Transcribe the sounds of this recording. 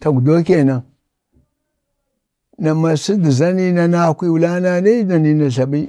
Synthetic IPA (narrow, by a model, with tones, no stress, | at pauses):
ta˨ɡdo˦kʲe˦˨na˨ | na˨ma˨si˦di˨za˦ni˦na˦na˦˨kʷi˦wu˨la˦na˦na˦i˦da˨ni˨na˨ɮa˨ɓi˦